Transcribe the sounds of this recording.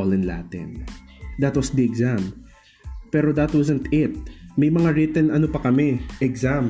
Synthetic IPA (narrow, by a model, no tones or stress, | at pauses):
lɪnla̰ːt̪ɛ̰n | d̪ɐt̪wɐsd̪iɛɡzãm | pɛːɾod̪ɐt̪wɔzɛ̃nt̪ɪt̪̚mɐjmɐŋaɹɪt̪ɛnɐnopɐkɐmɛʔɛɡzam